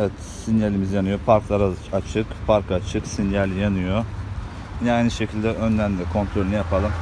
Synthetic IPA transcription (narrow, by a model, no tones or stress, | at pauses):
ɛt̪ | sinjalʲimizjanɯjo̞pʰaɾklˠaɾaat͡ʃʰɯkpʰaɾkat͡ʃʰɯksinjalʲjanɯjo | jajniʃecʰilʲd̪ɛʔønlʲæɾnd̪ɛkʰo̞nt̪ʰɾo̞lʲinijapʰalˠɯm